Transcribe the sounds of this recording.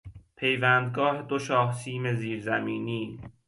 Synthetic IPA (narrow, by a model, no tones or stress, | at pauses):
pʰe̞jvæːnd̪ɡɒːhed̪oʃɒːhsʰiːme̞ziːɾzæmiːniːn